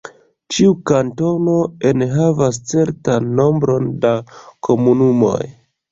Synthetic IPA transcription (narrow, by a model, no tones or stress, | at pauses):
t͡ʃiukanto̞no̞enɦavast͡se̞ɾtanːo̞mbɾo̞ndakʰo̞munumo̞̰j